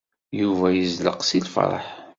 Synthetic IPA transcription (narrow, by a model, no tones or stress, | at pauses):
juvæjəzlə̰qsilfɾˤə̰ħ